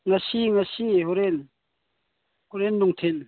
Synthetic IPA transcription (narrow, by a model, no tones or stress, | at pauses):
ŋasiŋasiɦɔɾen | hoɾenːɔŋt̪ʰen